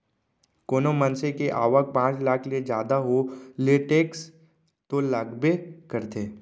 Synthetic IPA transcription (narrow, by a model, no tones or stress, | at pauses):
koːnomənsekeʔaːʋək̚pãːt͡ʃlaːkʰlied͡ʒjaːd̪aɦoleʈeːks | t̪oləɡbekəɾt̪eː